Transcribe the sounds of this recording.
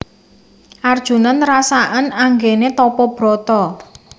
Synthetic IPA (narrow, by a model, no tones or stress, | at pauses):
ʔard̥ʒ̥ṳnanrasaʔənaŋɡenet̪ɔpɔb̥ɾɔ̤t̪ɔ